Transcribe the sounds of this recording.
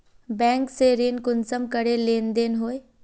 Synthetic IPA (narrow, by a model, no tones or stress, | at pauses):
bɛ̃ːŋkseɾeːnkʊnsəmkəɽeleːnd̪eːnɦoːe